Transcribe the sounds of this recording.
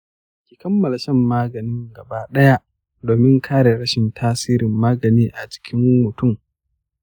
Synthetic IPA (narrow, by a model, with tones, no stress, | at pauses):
kʲiː˨kɐ˦mːɐ˨la˨ʃɐ˦mːaː˦ɡɐ˨nɪ˦ŋɡɐ˨baː˦ɗɐ˦ja˦ | doː˨mɪ˦ŋkʰaː˦ɽe˨ɽɐ˦ʃɪ˨ntʰaː˦siː˦ɾɪ˨mːaː˦ɡɐ˨niː˦ʔa˨t͡ʃɪ̥˦kʲʰɪ˦ŋmʊ˨tʊ˦˨m